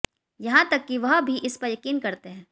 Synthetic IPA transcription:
jɐɦãt̪ɐkːiʋɐɦbʱiʔɪspɐɾjɐkiːnkɐɾt̪eɦɛ̃ː

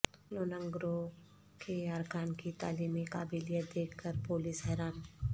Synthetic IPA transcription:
loːnə̃ŋɡɾo | kʰeaɾkaːnkit̪a̰ːliːmikaːbiːlijət̪̚d̪eːkʰkːəɾpoːlisɦɛːɾaːn

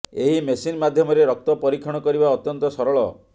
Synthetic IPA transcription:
eɦimesinmad̪ʱjɔmɔɾeɾɔk̚t̪ɔpɔɾikʰːɔɽ̃ɔkɔɾibaɔt̪jɔnt̪ɔsɔɾɔɭɔ

